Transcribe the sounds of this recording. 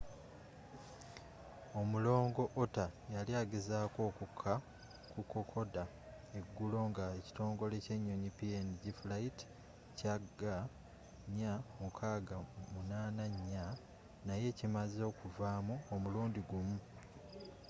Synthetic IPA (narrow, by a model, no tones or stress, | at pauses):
o̞mulo̞ːŋɡo̞ʔotajaliaːɡezaːko̞ːkukʰːa | kuko̞kʰo̞da | e̞ɡːulo̞ŋɡaeci̥to̞ːŋɡo̞le̞ce̞ɲːo̞ɲipieniɟiflaiti̥ | caɡa | ɲːamukʰaːɡamunaːnaɲːa | naje̞cimazo̞ːkuvaːmuomuluːndiɡumu